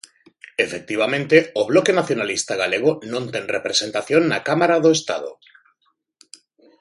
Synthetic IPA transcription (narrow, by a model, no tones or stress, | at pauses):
efek̚t̪iβ̞amẽnt̪eoβ̞lokenaθjonalist̪aɣ̞aleɣ̞onõnt̪eŋrepɾesent̪aθjonːakamaɾaðoest̪a̰ð̞o̰